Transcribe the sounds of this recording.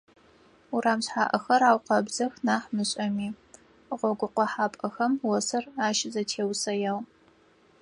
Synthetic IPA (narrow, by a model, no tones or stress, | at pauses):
uɾaːmɕħaːʔɐxɐɾaːwqɐbzɐxnaːħmɨɕʼɐmiː | ʁʷɔɡʷʊqʷɔħaːpʼɐxɐmwɔsɐraːʃɪzɐtʰeːwsɐjaːw